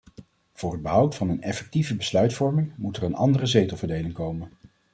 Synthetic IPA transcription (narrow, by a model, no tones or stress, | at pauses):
v̥ʊːrɦəd̚bəɦʌwtfɑnənɛfɛk̚tivəbəslœɥtfɔɹmɪŋmutərənɑ̰ndərəzejtəl̩ˠvəɹdejlɪŋkowmən